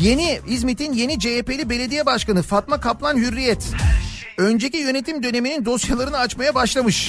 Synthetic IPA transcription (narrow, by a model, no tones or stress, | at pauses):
je̞niizmit̪ʰinje̞nid͡ʒeepe̞lʲibe̞lʲe̞d̪ijɛbaʃkanɯfat̪makʰaplˠanɦyɾːijɛt̪ | ø̞nd͡ʒe̞cijø̞ne̞t̪ʰimd̪ø̞ne̞minind̪o̞sjalˠaɾɯnɯat͡ʃmajabaʃlˠamɯʃ